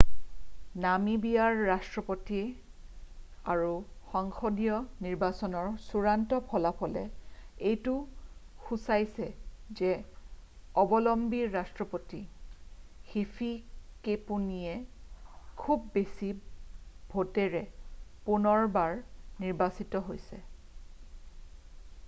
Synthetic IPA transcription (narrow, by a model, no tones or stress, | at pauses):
namibijaɹːastɹɔpotiɛ | aɹuxɔŋxodijɔniɹbasɔnɔɹsuɹantɔpʰɔlapʰɔlɛ̰ejtu | xusajsɛzɛ | ɔbɔlɔmbiɹastɹɔpoti | xipʰikepunijɛ | kʰubːesi | bʱotɛɹɛpunɔɹbaɹniɹbasitɔɦojsɛ̰